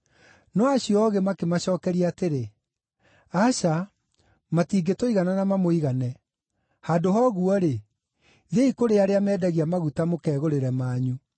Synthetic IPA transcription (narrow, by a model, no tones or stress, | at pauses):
nɔaɕiɔɣemakemaɕɔːkɛɾiateɾe | aɕa | matiːɡetoiɣananamamoiɣanɛ | hadoɦɔɣuɔɾe | ðeikoɾeaɾeamɛːdaɣiamaɣutamokɛːɣoɾeɾɛmaːɲu